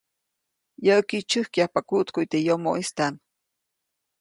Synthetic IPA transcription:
jəʔkit͡ʃɨhkjapakuʔt̪kujt̪ejomo̰ʔist̪an

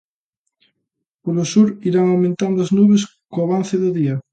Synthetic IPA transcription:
polosuɾiɾaŋawmẽnt̪and̪ʊaznuβes | koaβan̟θɪðʊðiɐ

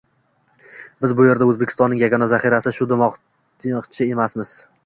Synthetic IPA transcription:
bɪzbʊje̞ɾd̪aɵzbekʲʰɪst̪ɒnːɪŋjaɡʲɒnazaχiɾasɪʃʊd̪ɪmɒq | qt͡ʃʰɪe̞masmɪz̥

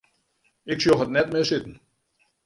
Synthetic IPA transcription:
ɪksjoxətnɛtmɪsɪtn̩

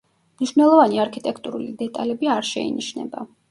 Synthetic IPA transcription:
mniʃvnɛlˠɔvaniaɾkʰit̪ʼɛkʰt̪ʼuɾulid̪ɛt̪ʼalɛbiaɾʃɛ̰ḭniʃnɛ̰ba̰

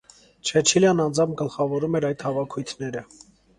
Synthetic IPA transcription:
t͡ʃʰɛt͡ʃʰiljɑnːɑnd͡zɑmp̚ʰɡəlχɑvɔɾumɛɾɑjd̪hɑvɑkʰujt̪ʰnɛɾə

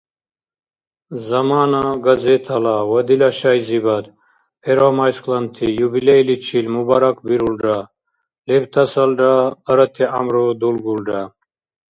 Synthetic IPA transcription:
zɐmaːnaɡɐzet̪ʰɐlawɐd̪ilaɕajzibɐd̪ | pʰeɾamajsklɐnt̪ʰijubilejlit͡ɕʰilmubaɾɐkbiɾulɖa | lebt̪ʰɐsɐlɖaːɾɐt̪ʰea̰mɾod̪ulɡulɖa

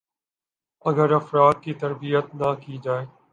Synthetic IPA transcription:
ɐɡəɾɐfɾaːd̪̚kit̪ɐɾbijət̪nakid͡ʒaːeː

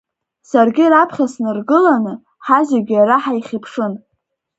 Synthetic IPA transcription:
sarɡʲɪɾapʰχʲasnɨrɡɨlanɨ | ħazeɡʲaɾaħaiχʲipʰʂɨn

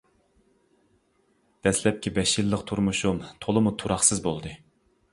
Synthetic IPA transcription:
d̪̥ɛslɛp̚kʲibɛʃilːəqt̪ʰuɾmuʃumt̪ʰolˠɨmut̪ʰuɾɑχsɨzbolˠd̪ɨ

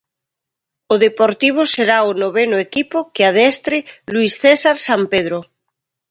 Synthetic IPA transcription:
oðepoɾt̪iβ̞oseɾaonoβenoekipokeað̞ɛst̪ɾeluisθesaɾsampeð̞ɾo

